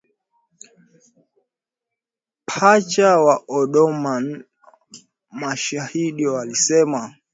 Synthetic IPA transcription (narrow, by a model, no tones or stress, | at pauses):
pʰat͡ʃawaʔɔɗɔman | maʃahiɗiɔwalisɛma